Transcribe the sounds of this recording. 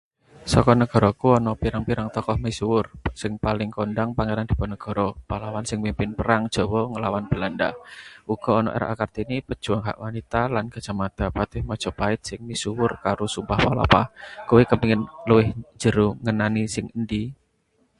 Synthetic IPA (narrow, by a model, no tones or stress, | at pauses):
sɔkɔnəɡ̥ɔ̤ɾɔkuɔnɔpiɾaŋpiɾaŋt̪ɔkɔhmisuwʊrsɪŋpalɪŋkondaŋpaŋeɾand̪̥i̤pɔnəɡ̥ɔ̤ɾɔpalawansɪŋmimpɪnpəɾaŋd̥ʒ̥ɔ̤wɔŋəlawanb̥ə̤landa̰ʔuɡ̥ɔ̤ːnɔ̰ʔḛɾa̰ʔakart̪inipəd̥ʒ̥ṳaŋɦa̰ʔwanit̪alanɡ̥a̤dd͡ʒ̥a̤mad̪̥a̤pat̪ɪhmɔd̥ʒ̥ɔ̤paɪt̪̚sɪŋmisuwʊrkaɾusubahpala̰pakuwekəpiŋɪnluwɪhɲd͡ʒ̥ə̤ɾuŋənanisɪŋəndi